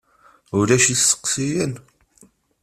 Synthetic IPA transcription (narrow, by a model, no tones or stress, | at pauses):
ulæʃisːə̥qːsijæn